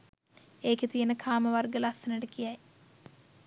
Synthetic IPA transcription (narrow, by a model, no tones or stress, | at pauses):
eːket̪ijənəkʰaːməʋarɡəlasənəʈəkijaj